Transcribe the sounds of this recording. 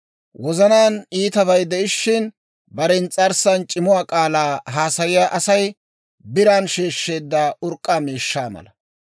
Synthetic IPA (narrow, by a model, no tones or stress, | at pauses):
wɔzɐnaːniːt̪ɐβɐjd̪ɛʔɪʃːɪn | bɐɾɛnt͡sʼɐɾsɐnt͡ʃʼɪmʊwaːkʼaːlaːɦaːsɐjɪjaːʔɐsɐj | bɪɾaːnʃeːʃːe̞ːd̪ːaːʔʊɾkʼːaːmiːʃːaːmɐ̰lɐ